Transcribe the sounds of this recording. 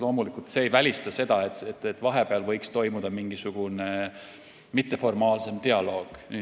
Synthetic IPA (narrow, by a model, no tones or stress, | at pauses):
lo̞ːmulikˑult̪se̞ːjvælʲist̪ɑse̞d̪̥ɑet̪et̪ːˑet̪ːˑvɑɦe̞peɑlvɤ̞jkst̪o̞jmud̪̥ɑmiŋɡ̥isuɡ̥une | mit̪ːˑe̞fo̞rmɑːlse̞mt̪eɑlo̞ːɡ̥